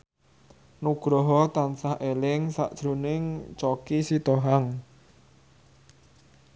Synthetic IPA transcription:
nuɡ̥ɾɔɦɔt̪ansahʔelɪŋsa̰ʔd̥ʒ̥ɾunɪŋt͡ʃɔkisit̪ɔɦaŋ

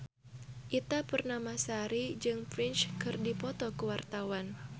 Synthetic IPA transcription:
ʔit̪apərnamasaɾid͡ʒɨŋpɾɪnt͡ʃkɨrdipɔt̪ɔkuwart̪awan

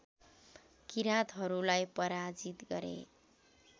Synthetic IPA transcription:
kiɾat̪ɦʌɾulajpʌɾad͡zit̪ɡʌɾḛ

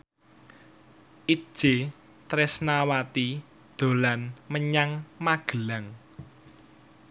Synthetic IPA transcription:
ʔi̥ʒ̥e | t̪ɾɪsnawat̪i | d̪̥o̤lanməɲaŋmaɡ̥əlaŋ

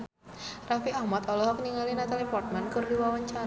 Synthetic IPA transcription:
rafiahmat̪ɔlɔɦɔk̚niŋalinat̪alepɔrt̪̚mankɨrdiwawaɲt͡ʃa

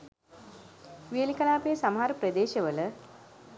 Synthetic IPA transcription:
ʋiɐlikɐnaːpejɐsɐmɦaːɾpɾɐd̪eːɕɐʋɐlɐ

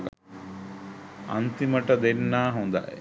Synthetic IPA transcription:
ɐ̰nt̪imɐʈɐd̪enːaːɦɐnd̪a̰ʔ

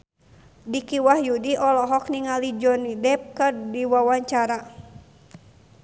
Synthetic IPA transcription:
dikiwahjudiʔɔlɔɦɔkniŋalid͡ʒɔnidɛp̚kɨrdiwawaɲt͡ʃaɾa

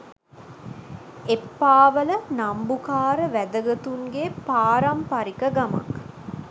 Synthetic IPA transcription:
epːaːʋələnambukaːɾəʋæd̪əɡət̪uŋɡepaːɾɐmpɐɾikəɡamɐ̰k

